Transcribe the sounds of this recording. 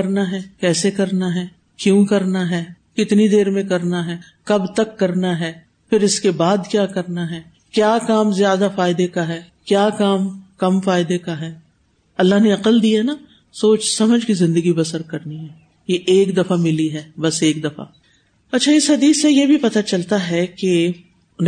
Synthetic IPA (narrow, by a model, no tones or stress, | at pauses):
ɐɾnaɦɛːkɛːsekɐɾnaɦɛː | kjũːkɐɾnaɦɛː | kɪt̪nid̪eːɾmẽkɐɾnaɦɛː | kɐbt̪ɐkːɐɾnaɦɛː | fɪɾɪskebaːd̪kjaːkɐɾnaɦɛː | kjaːkaːmzjaːd̪afaːɪd̪ekaɦɛː | kjaːkaːmkɐmfaːɪd̪ekaɦɛː | ɐlːaɦneɐqəld̪iana | soːt͡ʃsɐməd͡ʒʱkizɪ̃nd̪əɡibɐsəɾkɐɾniɦɛː | jeʔeːkd̪ɐfamɪliɦɛːbɐseːk̚d̪ɐfa̰ | ɐtːʃʰaɪsɦɐd̪iːsːejebʱipɐt̪at͡ʃɐlt̪aɦɛke